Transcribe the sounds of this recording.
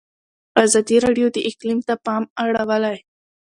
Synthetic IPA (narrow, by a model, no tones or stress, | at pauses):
ɑzɑd̪iɾɑɖijod̪əʔɪqlimt̪apɑmaɽawəlaj